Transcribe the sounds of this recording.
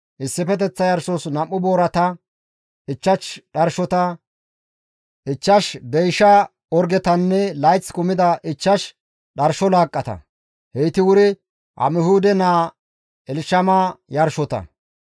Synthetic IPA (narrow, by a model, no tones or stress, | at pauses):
ʔɪsːɪfɛt̪̬ɛt͡sːɐjɐɾʃɔsnɐmːʊboːɾɐt̪ɐ | ɪt͡ʃːɐt͡ʃɗɐɾʃɔt̪ɐ | ʔɪt͡ʃːɐʃd̪ɛjʃɐ | ɔɾɡɛt̪ɐnːɛlɐjt͡sːkʊmɪd̪ɐʔɪt͡ʃːɐʃ | ɗɐɾʃɔlaːkʼːɐt̪ɐ̰ | hɛjt̪ɪwʊɾɪ | ʔɐ̰mɪhuːd̪ɛnaː | ɛlʃɐmajɐɾʃɔt̪ɐ̰